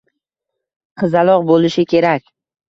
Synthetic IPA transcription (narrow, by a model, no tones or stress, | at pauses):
qʰɨzalˠɒʁbolɪʃɪkʲʰe̞ɾakʲ